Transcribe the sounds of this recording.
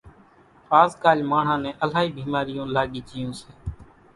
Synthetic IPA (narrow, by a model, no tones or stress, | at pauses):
paːzkaːlmaːɳ̤ãːnẽːʔəlaːiːbʱiːmaːɾɪjõːlaːɠiːd͡ʒɪjõːseː